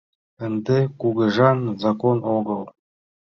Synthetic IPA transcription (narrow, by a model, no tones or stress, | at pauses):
ɘ̆nd̪ekuɣɤ̆ʒɑnzɑkonoɣɤ̆lˠ